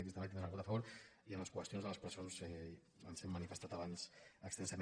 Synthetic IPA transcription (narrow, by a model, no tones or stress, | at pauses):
kisəmat̪enɾnəɣut̪əfəβoɾiənləskwəst̪ionzðələspɾəsonzɛ | ənzɛmːənifəst̪at̪əβansəkst̪ɛnsəm